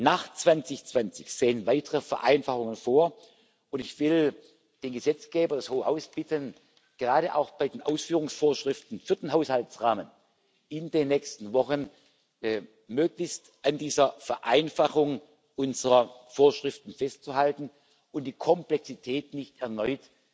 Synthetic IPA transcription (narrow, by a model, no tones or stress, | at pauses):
naːχt͡sv̥ant͡sɪçt͡sv̥ant͡sɪçz̥eːənvaɪtəʁəfɛɐʔa̰ɪnfaχʊŋənfoːɐ | ʔʊntɪçv̥ɪl | d̥eːnɡəzɛt͡sɡ̥eːbɐdashoːəhaʊsb̥ɪtən | ɡ̥əʁaːɾəʔa̰ʊxb̥aɪdeːnʔaʊsfyːʁʊŋsfoːɐʃʁ̥ɪftn̩fyːɐd̥eːnɦaʊshaltt͡sʁaːmən | ɪndeːnːɛçstn̩vɔxənː | møːklɪçst | ʔandiːzɐfɛɐʔaɪnfaχʊŋ | ʔʊnzəʁɐfoːɐʃʁ̥ɪftn̩fɛstt͡suɦaltn̩ | ʊntd̥iːkʰɔmplɛksitʰɛːtnɪçtɛɐnɔʏt